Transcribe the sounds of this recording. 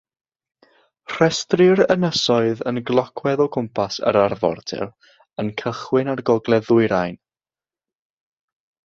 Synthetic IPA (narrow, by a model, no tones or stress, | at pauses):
r̥ɛstrɪɾənəsɔɨðənɡlˠɔkʰwɛðɔkʰʊmpʰasə̰ɾarvɔ̰rtʰɛ̰lˠ | ənkʰəχwɪnarɡɔɡlˠɛðʊɨɾajn